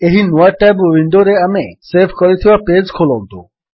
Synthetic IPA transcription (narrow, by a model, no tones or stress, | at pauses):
eɦinuaʈːɛbʋiɳɖoɾeameseɾbʰʱkɔɾit̪ʰiwaped͡ʒkʰolɔnt̪o